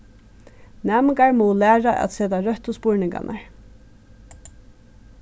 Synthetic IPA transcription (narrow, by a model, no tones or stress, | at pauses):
næːmɪŋkaɹmɔlæːɹaʔa̰t̪sɛːt̪aɹœht̪ʊspʊɹnɪŋka̰nʔaɹ